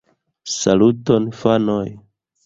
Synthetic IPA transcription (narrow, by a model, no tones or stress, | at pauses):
salutonfanoj